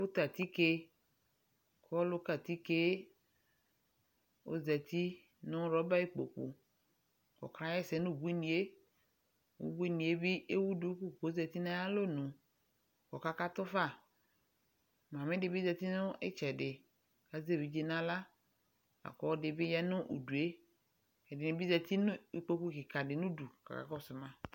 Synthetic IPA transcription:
wo˦t̪a˨t̪i˦ke˦ | klo˦ka˨t̪i˦ke˦ | wo̰˦zɛ˨t̪i˦ | nʊ̃˦ɾɔ˦ba˦i˦k͡po̰˨k͡pṵ˨ | kɔ̰˨kɾã˦jɛ˦sɛ˨˦nũ˦˨bu˦i˦nĩ˨e˦ | wo̰˦bu˦i˦nĩ˨˦e˦bi˦e˦wu˦du˦ku˦˨ko˨˦zɛ˨t̪i˦nã˦ja˦lo˦nũ˨ | kɔ˨ka˦ka˦t̪ʊ˦fa˦˨ | mã˨mɪ̃˦dɪ˨bi˦zɛ˨t̪i˦nʊ̃˦ḛ˦t͡ʃɛ˨dɪ˨ | ka˨ze˦˨bi˨d͡ʒi˦nã˦la˦ | a̰˨kɔ˨ɔ˦dɪ˨bɪ˦jɛ˦nʊ̃˦ʔṵ˨du˨e˦ | ɛ˨dɪ˨nɪ̃˨bi˦zɛ˨t̪i˦nʊ˦i˨k͡po˨ku˦kɪ˨ka˨dɪ˨nũ˦du˨ka̰˨ka̰˨kɔ˦˨sʊ˨mã˦

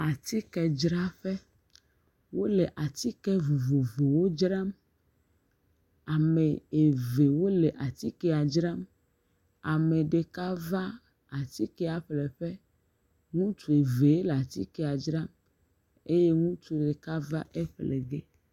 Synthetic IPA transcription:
a˨t̪i˦kɛ˨d͡ʒɾa˦ɸɛ˦ | wo˦le˨ʔa˨t̪i˦kɛ˦vo˨vo˨vo˨wo˦d͡ʒɾa˦m | a˨me˨e˨ve˨wo˦le˨ʔa˨t̪i˦kɛ˦a˨d͡ʒɾa˦m | a˨me˨ɖe˨ka˦va˦ | a˨t̪i˦kɛ˦a˨ɸlɛ˨ɸɛ˦ | ŋũ˦t͡ʃu˨e˨ve˨e˦la˨t̪i˦kɛ˦a˨d͡ʒɾa˦m | e˦je˦ŋũ˦t͡ʃu˦ɖe˨ka˦va˦ʔe˦ɸle˨ɡe˦

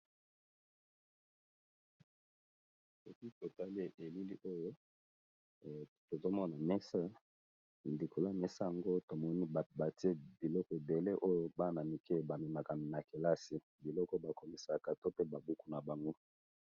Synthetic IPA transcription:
so˨ki˦to˨ta˦li˦e˨ʔe˨li˦li˦ʔo˦jo˦˨ | to˨zo˦mɔ˦na˨mɛ˦sa˦˨ | ndi˨kʰo˨la˦mɛ˦sa˦ja˨ŋɡo˦to˨mɔ˦ni˦˨ba˨ti˦e˦bi˨lɔ˦kɔ˨de˨le˦ʔo˦jo˦ba˦na˨mi˨ke˦˨ba˨mi˨ma˨ka˨mi˨na˨ke˨la˦si˨ | bi˨lɔ˦kɔ˦ba˨ko˨mi˨sa˨ka˨to˦pe˦ba˨bu˦ku˨na˨ba˨ŋɡo˦

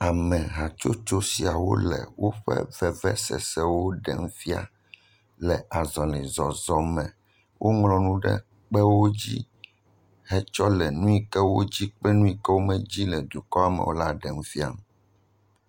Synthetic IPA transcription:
a˨mɛ̃˨ɦa˨t͡ʃo˦t͡ʃo˦si˨a˨wo̰˦lɛ̰˨wo˦ɸɛ̰˦vɛ˨vɛ˦sɛ̰˨sɛ˦wo˦ɖɛ̰˨ŋ˦fi˦a̰˨ | lɛ˨a˨zɔ˨li˨zɔ˨zɔ˨mɛ̃˨ | wʔo˦ŋlɔ̃˨nũ˦ɖɛ̰˦ | k͡pɛ˦wo˦d͡ʑḭ˦ | ɦɛ˦t͡ʃɔ˦lɛ˨nũ˦i˦kɛ˦wo˦d͡ʑi˦k͡pɛ˦nũ˦i˨kɛ˦wo˦mɛ̃˨d͡ʑi˦lɛ˨d̪o˨kɔ˦a˨mɛ̰˨wo˦la˦ɖɛ˨ŋ˦fi˦a̰˨m˨

